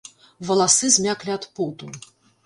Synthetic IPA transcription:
vɐlˠasɨzʲmʲaklʲiat̪put̪u

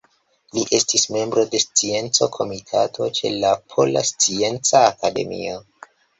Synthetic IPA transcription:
liʔe̞stisme̞mbɾo̞de̞st͡sie̞nt͡so̞kʰo̞mitʰatʰo̞t͡ʃe̞̰lapʰo̞̰la̰st͡sie̞nt͡saːkade̞̰mḭo̞

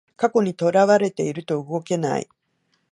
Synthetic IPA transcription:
kako̞ɲ̟it̪o̞ɾaβaɾe̞t̪e̞iɾɯ̟t̪o̞ɯ̟ɡo̞ke̞na̰ḭ

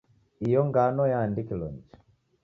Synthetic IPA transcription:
ijɔŋɡanɔjaːndikilɔ̰nd͡ʒi̥

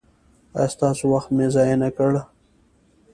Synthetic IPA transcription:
a̰jst̪ɑːsowaxt̪mezɑjenakəɽa

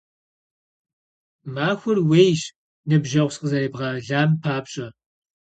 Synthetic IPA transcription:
maːxʷʊrwejɕ | nɨbʒɐʁʷsqəzɐreːbʁɐɮaːmpʰaːpɕʼɐ

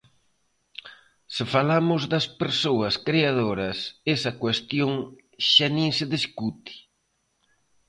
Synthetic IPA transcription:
sɪfalamʊzðɐspeɾsoɐskɾeað̞oɾɐsesɐkwest̪joŋ | ʃanĩŋsɪðiskut̪i̥

